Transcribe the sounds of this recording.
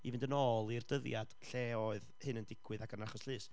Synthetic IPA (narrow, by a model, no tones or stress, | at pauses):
ivɪndənɔːlˠird̥əðjad̥ɬɛɔɨðhɨnəndɪkʰwɨðaɡənaχɔsɬɨːs